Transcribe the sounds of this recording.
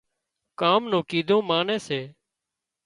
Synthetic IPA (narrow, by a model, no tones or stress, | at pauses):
kaːmnõːkiːd̪ʱõːmaːnẽːseː